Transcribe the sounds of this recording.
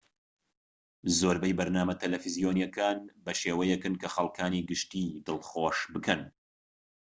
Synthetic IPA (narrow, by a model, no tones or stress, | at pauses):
zoːɾbɛjbɐɾnaːmɐt̪ʰɐlɐfizijoːnjɛkʰaːnbɐʃeːwɐjɛkɨnkɐxɐlˠkʰaːniːɡɨʃt̪iːd̪ɨlˠχoːʃbɨkʰɐn